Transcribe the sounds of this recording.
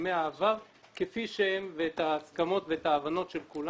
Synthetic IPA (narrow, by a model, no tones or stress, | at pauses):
meaːvaʁ | kefiʃehemveet̪aːskamo̞t̪veetaːvano̞tʃe̞lkula